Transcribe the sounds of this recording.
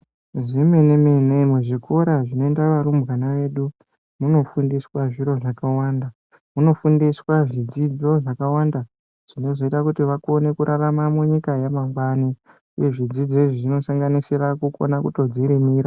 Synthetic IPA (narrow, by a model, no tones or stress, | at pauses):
ʐime̞ne̞menemuʐikʰoɾaʐino̞endaʋaɾumbɣanaʋe̞ːɗu | muno̞fundiswaʐiɾo̞ʐakawaːnda | muno̞fundiswaʐid͡zid͡zo̞ʐakawanda | ʐ̥ino̞zo̞itakutiʋako̞ne̞kuɾʔaramamuɲikajamaŋɡwani | uje̞ʐid͡zid͡zeʐoʐino̞saŋɡanisiɾakuko̞̰nakuto̞d͡ziɾimiːɾa